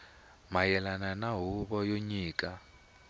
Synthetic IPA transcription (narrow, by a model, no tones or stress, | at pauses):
majɛlananaɦuβɔjoɲiːkʼa